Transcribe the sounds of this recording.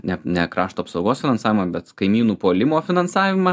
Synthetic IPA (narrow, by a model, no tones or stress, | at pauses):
nʲɛnʲɛkɾɑːʃt̪oːpsɐʊɡoːsfʲɪnɐnsɑːʋʲɪmɐbʲɛt̪kɐɪmʲiːnuːpoːlʲɪmoːfʲɪnɐnsɑːʋʲɪmɐ